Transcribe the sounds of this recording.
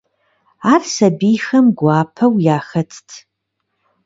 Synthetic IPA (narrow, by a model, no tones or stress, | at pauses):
aːrsɐbiːjxɐmɡʷaːpʰɐwjaːxɐtʰtʰ